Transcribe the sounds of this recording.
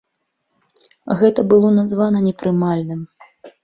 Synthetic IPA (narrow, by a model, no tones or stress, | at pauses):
ɣɛt̪ɐbɨlˠɔnazvanɐnʲɛpɾɨmalʲnɨm